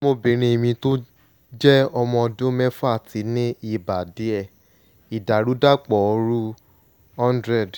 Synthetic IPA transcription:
mo˧bĩ˨ɾ̃ĩ˧i˨˧mĩ˧to˦ | d͡ʒɛ˦ɔ˧mɔ̃˧ɔ˧dũ˦mɛ˦fa˦˨tʰi˨˦nĩ˦i˧ba˨di˨˦ɛ˦˨ | i˨da˨ɾu˨˦da˦k͡pɔ˨ɔ˧ɾu˦ | ɔ̃˦ndɾɛ˦˨d

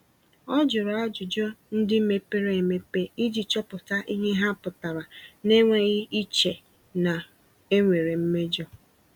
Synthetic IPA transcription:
ɔ˦d͡ʒʊ˨ɾa˨a˦d͡ʒʊ˨d͡ʒɔ˦n̩˦dɪ˦me˦pe˦ɾe˦e˨me˦pe˦i˦d͡ʒi˨t͡ʃɔ˦pʊ˨ta˦ʔi˦ɦe˦ɦa˦pʊ˨ta˨ɾa˨ne˦ŋʷe˦ɣɪ˦i˦t͡ʃe˨ | na˨ | e˦ŋʷe˨ɾe˨m̩˦me˦d͡ʒɔ˦

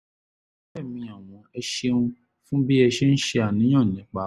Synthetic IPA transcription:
ɛ˦˨mĩ˧a˨w̃ɔ̃˨ɛ˧ʃe˧ũ˧ | fũ˦bi˦ɛ˧ʃe˦n̩˦ʃe˧a˨nĩ˨˦ã˦˨nĩ˨˦k͡pa˨˦

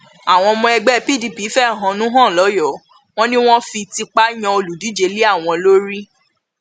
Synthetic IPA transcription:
a˨w̃ɔ̃˧mɔ̃˧ɛ˧ɡ͡bɛ˦˧˨pi˦˨di˨pi˨˦fɛ˦˨ɦɔ̃˨˧nũ˨˦ɦã˦˨lɔ˨˦jɔ˨˦ | w̃ɔ̃˦nĩ˦w̃ɔ̃˦fi˧ti˧k͡pa˦j̃ã˧o˧lu˨di˨˦d͡ʒe˨˦li˦a˦˨w̃ɔ̃˧lo˦ɾi˦

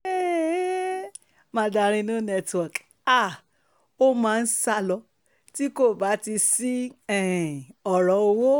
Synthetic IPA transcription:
e˦ | mã˧da˧ɾ̃ĩ˧nũ˦nɛ˦˧twɔ˨k | a˦˨ | o˦mãː˨˧n̩˦sa˧lɔ˧ | ti˦ko˦˨ba˨˦ti˧si˦ɛ˦˨ɔ˨ɾɔ˨˦o˧wo˦

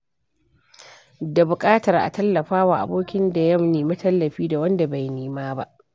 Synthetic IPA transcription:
da˨bʊ˨kʼaː˦tɐ˨rʔa̰˨tɐ˦lːɐ˨ɸaː˦waː˨ʔa̰˨boː˦kʲɪ˦nda˨jɐ˦mneː˨mɐ˦tɐ˦lːɐ˨ɸiː˦da˨wɐ˦nda˨ba˨jniː˦maː˦ba̰˦ʔ

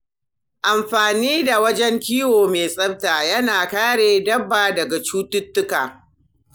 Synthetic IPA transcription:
ʔa˨mɸaː˨niː˦da˨wɐ˦d͡ʒɛ˦ŋkʲiː˦woː˨meː˨sʼɐ˦btaː˨jɐ˦naː˨kaː˦ɽeː˨dɐ˦bːaː˨dɐ˨ɡa˨t͡ʃuː˦tʊ˦tːʊ˦kaː˨

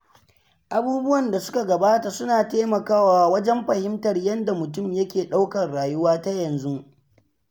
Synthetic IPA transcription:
ʔa˨buː˦bʊ˦wɐ˨nda˨sʊ̥˦ka˨ɡɐ˨baː˦ta˨sʊ˦naː˨teː˦mɐ˨kaː˦waː˨wɐ˦d͡ʒɛ˦mɸɐ˨hɪ˦mtɐ˨rjɐ˦nda˨mʊ˨tʊ˦˨mjɐ˦kʲeː˨ɗa˦wkɐ˨rɽaː˨jʊ˦waː˦ta˦jɐ˨nzu˦

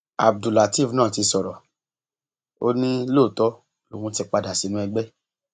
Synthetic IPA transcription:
a̰˨b̚du˨la˨ti˦˨vnãː˦˨ti˧sɔ˨ɾɔ˨ | o˦nĩ˦loː˦˨tɔ˦ | lo˨ũ˧˦tɛ˧k͡pa˧da˨si˨˦nũ˦ɛ˧ɡ͡bɛ˦

